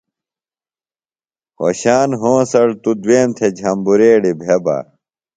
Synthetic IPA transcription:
ho̰ɕaːnɦõːsɐɽt̪ud̪weːmt̪ʰed͡ʑʱɐmbuɾeːɽibʱeba̰

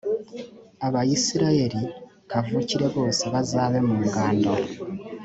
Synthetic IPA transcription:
aβajisiɾae̞ɾi | kavuciɾe̞βo̞ːseβazaːβe̞muːŋɡaːnda

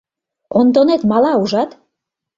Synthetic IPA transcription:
ond̪onet̪mɑlɑuʒɑt̪

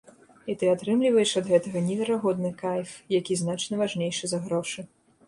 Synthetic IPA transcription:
it̪ɨat̪ɾɨmlʲivɐjɛʂɐd̪ɣɛt̪ɐɣɐnʲɛvʲɛɾaɣɔd̪nɨkajʲfjakʲiznat͡ʂnɐvaʐnʲejʂɨzɐɣɾɔʂɨ

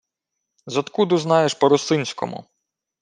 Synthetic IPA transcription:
zɔt̪kud̪ʊznɑjeʃpɔɾʊsɪnʲsʲkɔ̰mʊ̰

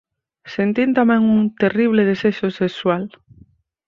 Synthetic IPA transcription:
sent̪int̪amɛ̃ŋuŋt̪eriβ̞leðeseʃosekswal

